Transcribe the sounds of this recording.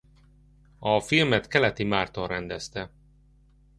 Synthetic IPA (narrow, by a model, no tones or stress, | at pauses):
ɒfilmɛt̪kɛlɛt̪imaːrt̪orɛnd̪ɛst̪ɛ